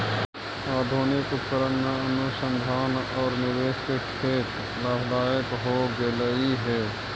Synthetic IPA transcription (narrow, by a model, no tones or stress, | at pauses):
aːd̪ʱunɪkʊt̪kəɾənːənʊsə̃nd̪ʱaːnɔːɾnɪɾeːskekʰeːt̪ | ɾaːɦd̪aːjəkɦoɡeləiɦɛː